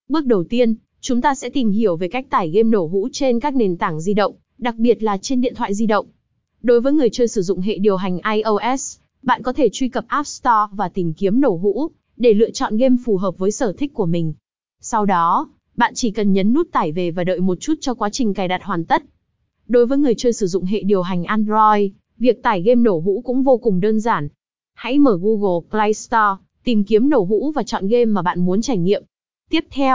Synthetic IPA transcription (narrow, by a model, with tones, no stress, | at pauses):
ɓɨ˦˥ək̚ɗə˨˩wt̪i˧ən | t͡ɕʊ˨˦ŋ͡mt̪aː˧sɛ̰˧˥t̪i˨˩mɦi˧˩əwve˨˩ka˦˥jk̚t̪aː˧˩jɣe˧mno˧˩ɦṵ˧˥t͡ɕe˧nkaː˦˥k̚ne˨˩nt̪a˧˩ŋzi˧ɗə̰˧˨wŋ͡m | ɗa˨˩k̚ɓi˨˩ət̚laː˨˩t͡ɕe˧nɗḭ˧˨ənt̪ʰwa̰ː˧˨jzi˧ɗə̰˧˨wŋ͡m | ɗo˨˦jvəː˨˦jŋɨ˨˩əjt͡ɕəː˧jsɨ˧˩zʊ̰˧˨ŋ͡mɦḛ˧˨ɗi˨˩əwɦa˨˩jŋ̟ʔaː˧jʔə˧ʔɛ˦˥s | ɓa̰ː˧˨nkɔ˨˦t̪ʰe˧˩t͡ɕwi˧kə˨˩p̚ʔaː˦˥p̚st̪ɔ˧vaː˨˩t̪ï˨˩ŋ̟ki˨˦əmno˧˩ɦṵ˧˥ | ɗe˧˩lɨ̰˧˨ət͡ɕɔ̰˧˨nɣe˧mfu˨˩ɦəː˨˩p̚vəː˨˦jsəː˧˩t̪ʰï˦˥k̚kːu˧˩əmï˨˩ŋ̟ | sa˧wɗɔ˨˦ | ɓa̰ː˧˨nt͡ɕi˧˩kə˨˩nɲə˨˦nːu˦˥t̚t̪aː˧˩jve˨˩vaː˨˩ɗə̰ː˧˨jmo˨˩t̚t͡ɕu˦˥t̚t͡ɕɔ˧kwaː˨˦t͡ɕï˨˩ŋ̟kaː˨˩jɗa˨˩t̚hwaː˨˩nt̪ə˦˥t̚ | ɗo˨˦jvəː˨˦jŋɨ˨˩əjt͡ɕəː˧jsɨ˧˩zʊ̰˧˨ŋ͡mɦḛ˧˨ɗi˨˩əwɦa˨˩jŋ̟ʔaː˧nzɔ˧j | vi˨˩ək̚t̪aː˧˩jɣe˧mno˧˩ɦṵ˧˥kʊ̰˧˥ŋ͡mvo˧kʊ˨˩ŋ͡mɗəː˧nzaː˧˩n | ha̰˧˥jməː˧˩ɣu˧ɣo˨˩klaː˧jst̪ɔ˧ | t̪ï˨˩ŋki˨˦əmno˧˩ɦṵ˧˥vaː˨˩t͡ɕɔ̰˧˨nɣe˧mːaː˨˩ɓa̰ː˧˨nmu˨˦nt͡ɕaː˧˩jŋŋḭ˧˨əm | t̪i˦˥əp̚t̪ʰɛ˧w